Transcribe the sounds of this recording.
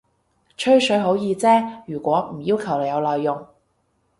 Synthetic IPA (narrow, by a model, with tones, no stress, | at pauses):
t͡ʃʰɵ˥ɥsɵ˨˥ɥɦo˨˥wjiː˧t͡sɛː˥jyː˨˩kʷɔː˨˥m̩˨˩jiː˥wkʰɐ˨˩wle˨˧jɐ˨˧wlɔː˨jːʊ˨˩ŋ